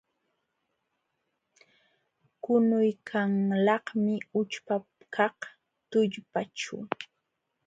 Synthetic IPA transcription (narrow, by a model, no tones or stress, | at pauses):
kʊnʊjkʰaŋlɑhmɪʊt͡ʃpa | kʰɑq | t̪ʊʎpat͡ʃʊ̰